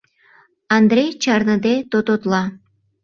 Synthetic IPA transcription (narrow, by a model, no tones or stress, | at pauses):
ɑnd̪rejt͡ɕɑrnəd̪et̪ot̪ot̪lɑ